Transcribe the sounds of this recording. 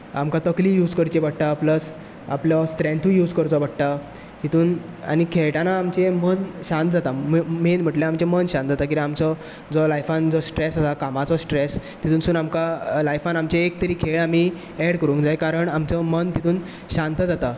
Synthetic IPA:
a̰mkat̪əkliːjuːd͡zkəɾt͡ɕebəɽʈ̪apləs | a̰pljɔsʈ̪ɾẽɳt̪ʰũjuːd͡zkəɾt͡sɔbəɽʈ̪a | ɦit̪uːn | a̰ñikʰeɭʈanaːmt͡ɕemənɕãnt̪̚d͡zat̪ammenm̤əʈleamt͡ɕemənɕãnt̪d͡zat̪ak̬iɾãamt͡sɔ | d͡zɔlajfãnd͡zɔsʈɾesasakamat͡sɔsʈɾes | t̪it̪uːnsuːnamkalajfanamt͡ɕeek̚t̪əɾiːkʰeɭam̤i | ɛɽkəɾũːŋkd͡zajkaɾəɳamt͡sɔmənt̪it̪ʰuːn | ɕãnt̪əd͡zat̪a

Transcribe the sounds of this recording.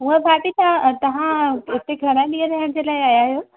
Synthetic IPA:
ɦũẽbʱaːpit̪ãt̪ɐʋ̤ãʊt̪eɡʰʱɐɽ̃aɗiə̃ɾɐɦəɽ̃d͡ʑelaːɪaːjaɦjoː

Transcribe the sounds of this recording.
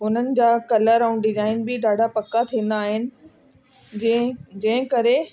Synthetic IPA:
ɦʊn̤ənɪ̆d͡ʑaːkɐləɾaːʊ̃nɖɪzaːɪnbɪɖaːɖʱapɐkat̪ʰĩːn̆d̪aːɦɪnɪ̆ | d͡ʑɐ̃ɦɪ̃kɐɾe

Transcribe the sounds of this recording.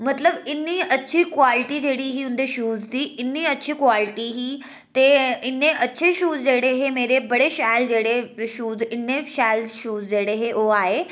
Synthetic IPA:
mɐt̪ləbɪnːiɐtːʃʰikʋaːlɪʈid͡ʑeːɽiɦiːɦʊ̃nd̪eʃuːzt̪iːʔɪnːiɐtːt͡ɕʰikʋaːlɪʈiɦiː | t̪eɪnːeʔɐtːɕʰeʃuːzd͡ʑeːɽeɦemeːɾebɐɽeʃaːjld͡ʑeːɽeʃuːzɪnːeʃaːjlʃuːzd͡ʑeːɽeɦeʔoaːɦe

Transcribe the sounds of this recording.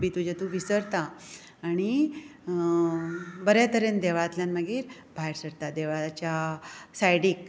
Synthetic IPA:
bit̪ud͡ʑat̪uʋisəɾt̪aː | ɽ̃i | bəɾjat̪əɾend̪eʋat̪ljãnməɡiːɾ | bʱaeɾsəɾt̪ad̪eʋat͡ɕjasajɽiːk

